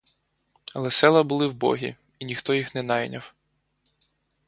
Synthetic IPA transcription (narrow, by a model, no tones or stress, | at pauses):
ɐlˠɛsɛlˠɐbʊlˠɪwbɔ̰ɦʲḭ | inʲixt̪ɔjixnɛnɑjnʲɐw